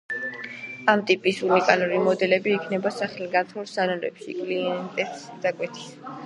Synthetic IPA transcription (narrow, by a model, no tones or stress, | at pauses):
amt̪ʼipʼisunikʼaluɾimɔd̪ɛlɛbiːkʰnɛbasaχɛliɡant̪ʰmulsanɔɾɛ̰pʃḭkʼliɛnt̪ʼɛt̪ʼsd̪akʼwɛt̪ʰi̥s